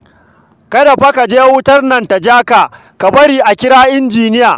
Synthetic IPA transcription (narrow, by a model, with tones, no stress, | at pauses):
kɐ˦dɐ˨ɸa˦ka˨d͡ʒeː˦wʊ˦tɐ˦rnɐ˨nta˨d͡ʒaː˦ka˨ | ka˨bɐ˦ɾiː˨ʔa˨kʲɪ˦ɽaː˦ʔɪ˦nd͡ʒiː˨nɪ˦jaː˨